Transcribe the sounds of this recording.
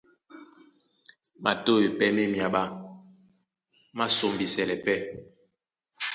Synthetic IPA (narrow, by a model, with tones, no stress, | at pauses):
ma˨to˦e˨pɛ˦me˦mja˨ɓa˦ | ma˦so˨mbi˨sɛ˨lɛ˨pɛ˦